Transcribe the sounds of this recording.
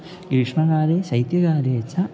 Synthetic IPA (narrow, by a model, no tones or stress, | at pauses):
ɡɾiʂɳɐɡaːɾeːsɐjt̪jɐɡaːɾeːt͡ʃʰːɐ